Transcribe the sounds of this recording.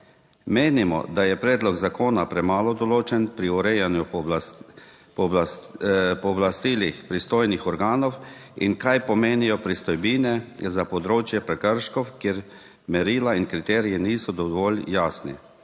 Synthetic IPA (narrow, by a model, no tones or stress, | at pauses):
meːnimɔ̰d̪ajɛpɾɛːd̪lɔɡzakoːnapɾɛmaːlɔd̪ɔloːt͡ʃɛnpɾiɔɾɛjanju | pɔb | pɔblast̪iːlixpɾist̪oːjnixɔɾɡaːnɔwḭnkajpɔmeːnijɔpɾist̪ɔjbiːnɛzapɔd̪ɾoːt͡ʃjɛpɾɛkəɾʃkɔwkjeɾ | mɛɾiːlainkɾit̪ɛːɾijɛniːsɔd̪ɔʋɔljaːsnḭ